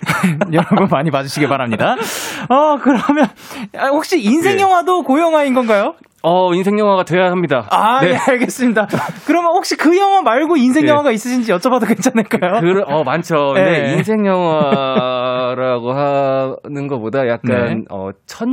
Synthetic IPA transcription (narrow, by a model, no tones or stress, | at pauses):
ejʌɾʌbɯnmaɲimad͡ʑuɕʰiɡepaɾɦamɲidaʌkɯɾʌmjʌnhok̚ɕ͈iinsʰe̞ŋjʌŋwadokojʌŋwainɡʌnɡajo | ʌinsʰe̞ŋjʌŋɦwaɡatweɦamɲidaaneeaɭɡe̞s͈ɯmɲidakɯɾʌmjʌnhok̚ɕ͈ikɯjʌŋwamaɭɡoinsʰe̞ɲjʌŋwaɡais͈ɯɕʰind͡ʑijʌt͡ɕ͈ʌbadaɡet͡ɕ͈anɯɭk͈ajokɯɾʌmant͡ɕʰʌeeinsʰe̞ŋjʌŋɦwa | ɾaɡoɦanɯnɡʌp͈odajak̚k͈anʌ̰t͡ɕʰʌn